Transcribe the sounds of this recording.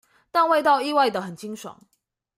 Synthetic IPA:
t̪a˥˧nwe˥˧ɪt̪ɑ˥˧ʊi˥˧wa˥˩ɪd̪ə˩xə˨˩nt͡ɕi˥ŋʂwɑ̰˨˦ŋ

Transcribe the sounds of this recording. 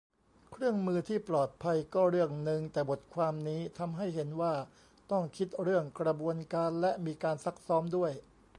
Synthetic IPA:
kʰɾɯ˥˩əŋmɯː˧t̪ʰiː˥˩plɔː˨˩t̪̚pʰa˧jkɔː˥˩ɾɯ˥˩əŋnɯ˧ŋt̪ɛː˨˩bo˨˩t̪̚kʰwaː˧mniː˦˥t̪ʰa˧mɦa˥˩jɦe˩˦nwaː˥˩ | t̪ɔ˥˩ŋkʰi˦˥t̪̚ɾɯ˥˩əŋkɾa˧bu˧ənkaː˧nlɛ˦˥ʔmiː˧kaː˧nsa˦˥k̚sɔː˦˥mdu˥˩əj

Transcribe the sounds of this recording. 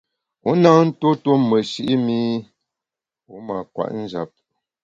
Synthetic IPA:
u˨˦na˦n̩˦to˦to˦mə˨ʃi˦ʔi˦mi˦ | u˨˦ma˨kwa̰˨ʔn̩˦d͡ʒa̰˨p̚

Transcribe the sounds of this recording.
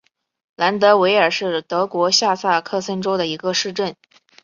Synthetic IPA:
la˧˥nt̪ɤ˧˥we˧˥ɪə˞˨˩ʂɻ̩˥˩t̪ɤ˧˥kwɔ˧˥ɕja˥˧sa˥˩kʰɤ˥˩sə˥nʈ͡ʂo˥ʊd̪ə˨i˧˥ɡə˧ʂɻ̩˥˧ʈ͡ʂə˥˩n

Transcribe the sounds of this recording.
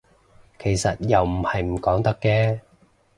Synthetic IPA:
kʰe˨˩jsɐ˨t̚jɐ˨wm̩˨˩hɐ˨jm̩˨˩kɔː˨˥ŋt̪ɐ˥kːɛː˧

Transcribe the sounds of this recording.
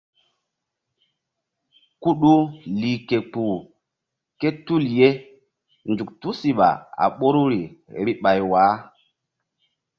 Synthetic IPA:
ku˦ɗu˦li˨ke˨k͡pu˨ | ke˦tu˦˨lje˦ | nd͡ʒu˨k̚tu˦si˨ɓa̰˨a̰˨ɓo˦ɾu˦ɾi˨ɾi˦ɓa˨jwaː˨˦

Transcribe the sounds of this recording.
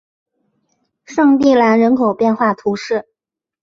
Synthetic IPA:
ʂɑ˥˧ŋt̪i˥˩la˧˥nɻə˧˥nkʰo˨˩ʊpjɛ˥˧nxwa˥˩t̪ʰu˧˥ʂɻ̩˥˩

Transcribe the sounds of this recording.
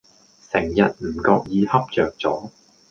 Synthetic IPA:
sɪ˨˩ŋjɐ˨t̚m̩˨˩kɔː˧k̚jiː˨˧hɐ˥p̚t͡sœː˨k̚t͡sɔː˨˥

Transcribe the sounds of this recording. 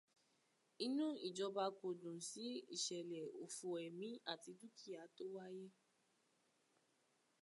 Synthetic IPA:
i˦nũ˦i˨d͡ʒɔ˧ba˧ko˨dũ˨si˨˦ḭ˦˨ʃɛ˨lɛ˨o˨fu˧ɛ˨mĩ˨˦a˦˨ti˧du˦kʰi˦˨a˨˦to˦wa˦je˦

